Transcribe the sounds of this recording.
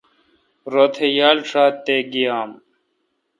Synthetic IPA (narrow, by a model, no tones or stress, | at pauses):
ɾoːt̪ʰejaːlʂaːt̪ːeːɡijaːm